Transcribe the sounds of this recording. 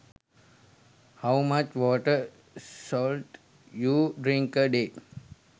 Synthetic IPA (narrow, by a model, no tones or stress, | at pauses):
hawmat͡ʃʋɔːʈə | sɔːlʈ | juːɖɾĩŋkəɖe